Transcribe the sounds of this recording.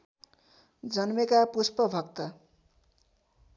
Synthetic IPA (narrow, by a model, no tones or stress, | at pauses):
d͡zʌnmekapuspʌbʱʌkt̪ʌ